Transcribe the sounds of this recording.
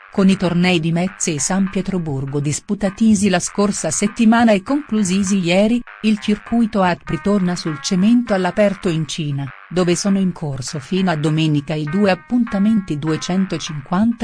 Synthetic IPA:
konit̪ornɛjd̪imɛt̪seːsampjɛt̪ɾoburɡod̪isput̪at̪iːzilaskorsaset̪ːimaːnaɛkːoŋkluziːzijɛːɾi | ilt͡ʃirkujt̪oat̪̚pɾit̪ornasult͡ʃement̪oalːapɛrt̪oint͡ʃiːna | d̪oːvesɔːnoiŋkʰorsofiːnoad̪omɛːnikaid̪uːeapːunt̪ament̪id̪uet͡ʃɛnt̪ot͡ʃiŋkwant̪a

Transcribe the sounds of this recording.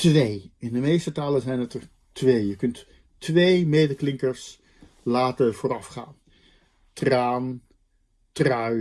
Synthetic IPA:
tʋejɪndəmejstətaːlənzɛjnətəɹ | tʋejjəkɵntː | ʋejmejdəklɪŋkəɹs | laːtəv̥oːɾɑfχa̰ːn | traːn | trœ

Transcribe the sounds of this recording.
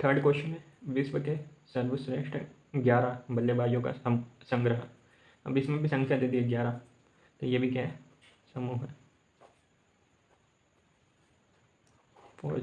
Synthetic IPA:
t̪ʰəɾɖkoːʃənẽ | ʋiːsbɐʈesɐɾʋəsɾeːkʃʈə | ɡjaːɾabɐlːebaːd͡ʒjõka̰sɐ̃ŋɡɾəɦa | ɐ̰bɪsmẽbʱisɐ̃ŋɡsʰjãd̪et̪ʰiɡjaːɾa | t̪ojebʱikaːɦ | sɐmuːɦɛ | fo̰ː

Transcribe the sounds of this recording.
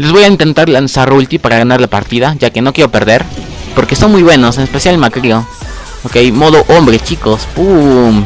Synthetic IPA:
le̞zβo̞jaint̪e̞nt̪aɾlansarult̪ipaɾaɣanaɾlapaɾt̪iðaʝake̞no̞kjeɾo̞pe̞ɾðe̞ɾpo̞ɾke̞so̞nmujβweno̞senespe̞sjalmakɾio | okejmo̞ðoʔombɾe̞t͡ʃiko̞spum

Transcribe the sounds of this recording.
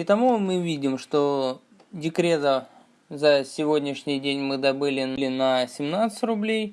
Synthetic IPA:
ɪt̪ɐmumɨvʲidʲɪmʂt̪o | dʲɪkɾʲe̞t̪ə | zəsʲɪvodʲnʲɪʂnʲɪjdʲenʲmɨd̪ɐbɨlʲɪlʲɪnəsʲɪmnat̪sə̥tʲrʊblʲej

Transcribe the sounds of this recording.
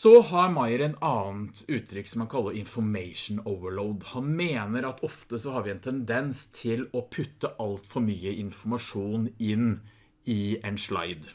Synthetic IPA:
sɔhɑɾmɑɪəɾɛt̪ɑːnt̪ʉːt̪ʰːɾʏkːsɔmhɑnkʰɑlːəɾɪnfɔɾmeɪʂn̩oʊʋəɭoʊd̪hɑnmeːnəɾɑt̪ʰɔft̪əsɔhɑɾʋɪɛnt̪ʰɛnd̪ɛnst̪ʰɪlɔpʰʉt̪ːəʔɑlt̪fɔɾmyːəɪnfɔɾmɑʂuːnɪn | ɪɛnʂlɑ̰ɪd̪

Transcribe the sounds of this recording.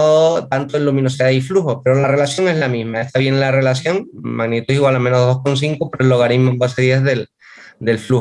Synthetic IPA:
ot̪ant̪oenlumĩno̞siðaifluhope̞ɾolare̞lasjo̞ŋe̞ɦlamĩɦmaeht̪aβje̞ŋlare̞lasjo̞ŋmaɣnit̪uiɣwalamenoðo̞hko̞ns̬iŋkopoɾeloɣanimomboseðiezðe̞l | d̪e̞lflu

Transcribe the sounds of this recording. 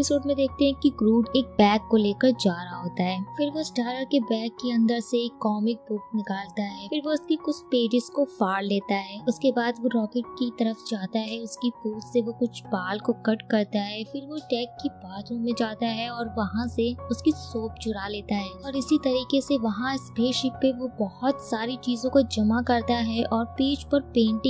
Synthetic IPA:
pɪsoːɖmẽd̪eːk̚ʰt̪eɦɛ̃kiɡɾuːɖeːk̚bɛːkːoleːkəɾd͡ʒaːɾaɦoːt̪aɦɛːfɪɾʋoɪsʈaːɾəɾkebɛːkːeɐ̃nd̪əɾseːkːɔːmɪk̚bʊknɪkaːlt̪aɦɛːfɪɾʋoʊskikʊt͡ʃʰpeːd͡ʒɪskofaːɽleːt̪aɦɛːʊskebaːd̪ʋoɾɔːkeʈ̚kit̪ɐɾəfd͡ʒaːt̪aɦɛʊskikuːtseʋokʊt͡ʃʰbaːlkokɐʈkɐɾt̪aɦɛːfɪɾʋoʈɛːkːibaːd̪ɾõmẽd͡ʒaːt̪aɦɛɔːɾʋɐɦãseʊskisoːpd͡ʒʊɽaleːt̪aɦɛːɔːɾɪsit̪ɐɾiːkeseʋɐɦãɪsbʱeːʃɪkpeʋobɐɦʊt̪saːɾit͡ʃiːzõkod͡ʒɐmakɐɾt̪aɦɛʔɔːɾpiːt͡ʃpɐɾpẽːɳʈɪ̃

